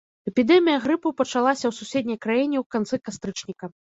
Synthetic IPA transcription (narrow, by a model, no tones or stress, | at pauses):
ɛpʲid̪ɛmʲijɐɣɾɨpɐpɐt͡ʂalˠasʲɐwsusʲed̪̚ʲnʲɐjkɾajinʲɛwkant̪sɨkast̪ɾɨt͡ʂnʲikɐ